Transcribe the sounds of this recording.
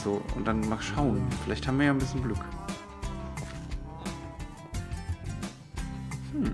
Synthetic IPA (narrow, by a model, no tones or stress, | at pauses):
z̥oːʊ̰nt̚d̥anmaːʃaʊənfɪlʔaɪçthaːbmviɐjaːnbɪsçənɡlʏk | mm̩